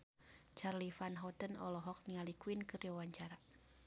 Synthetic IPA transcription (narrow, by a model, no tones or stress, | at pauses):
t͡ʃarlifanɦɔt̪ənɔ̰lɔɦɔk̚nialikuinkɨriɔwaɲt͡ʃaɾa